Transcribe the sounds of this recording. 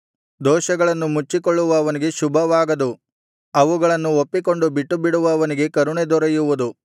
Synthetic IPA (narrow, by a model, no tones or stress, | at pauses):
d̪ɔːʃɐɡɐɭɐnːumut͡ʃːikoɭːuʋɐːʋɐniɡe̞ʃubʱɐʋaːɡɐd̪u | ɐʋuɡɐɭɐnːuopːik̬o̞ɳɖubiʈːubiɽuʋɐːʋɐniɡe̞kɐɾuɳed̪ɔɾɐjuʋud̪u